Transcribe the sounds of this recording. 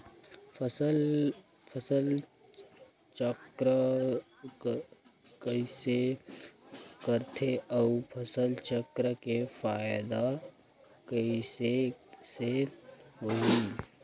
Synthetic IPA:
psəl | pʰəsəl | t͡ʃəkɾə | kəise | kəɾt̪ʰeʔəupʰəsəlt͡ʃəkɾəkefaːɪd̪a | kəisesebəɦi

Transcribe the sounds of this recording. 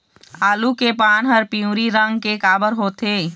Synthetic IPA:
aːlukepaːnɦəɾpiũːɾiɾə̃ŋɡkekaːbəɾɦoːt̪eː

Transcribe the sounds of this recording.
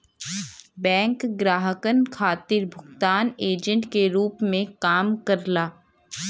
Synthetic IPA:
bɛ̃ːŋkɡɾaːɦəkənkʰaːt̪ɪɾbʱʊɡt̪aːneːd͡ʒə̃ɳʈkeɾuːpmẽkaːmkəɾlaː

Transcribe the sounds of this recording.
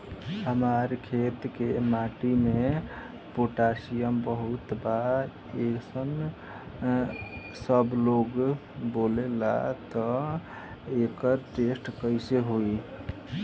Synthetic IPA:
ɦəmaɾkʰet̪kemaʈime | poʈasijəmbəɦut̪ba | eksən | səbloɡ | bolela̰t̪ɔ | ekəɾʈesʈkəjseɦoi

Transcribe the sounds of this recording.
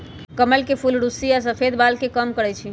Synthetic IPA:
kəməlkepʰulɽusiasəpʰed̪balkekəmkəɾɛt͡ʃʰi

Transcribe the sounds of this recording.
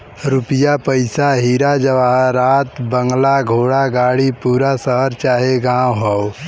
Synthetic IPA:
ɾʊpijapəɪsaɦiːɾad͡ʒəʋaɦɾaːt̪bəŋɡlaɡʱoːɽaɡaːɽipuːɾasəɦəɾt͡ʃaːɦeɡãːwɦɔw

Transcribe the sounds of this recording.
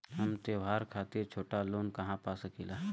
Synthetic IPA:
ɦɐmt̪eːʋɦaːɾkʰaːt̪ɪɾt͡ʃʰoːʈaloːnkɐɦãpaːsəkilaː

